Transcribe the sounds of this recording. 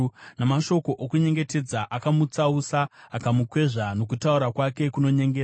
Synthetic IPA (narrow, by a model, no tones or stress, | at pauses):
namaʃo̞ko̞ʔokuɲe̞ŋɡe̞te̞d͡zaʔakamut͡sausaːkamukwe̞ʐanokutauɾakwake̞kuno̞ɲe̞ŋɡeːaa